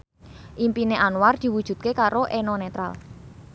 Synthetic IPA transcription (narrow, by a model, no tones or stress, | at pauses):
ʔimpineʔanward̪̥i̤wud̥ʒ̥ṳt̪̚kekaɾoʔenonet̪ɾa̰l